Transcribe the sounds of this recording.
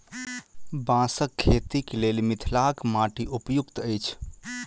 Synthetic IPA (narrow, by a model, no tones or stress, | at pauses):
bãsəkʰːet̪ikelelmit̪ʰlakmaʈiʔupjukt̪əjt͡ʃʰ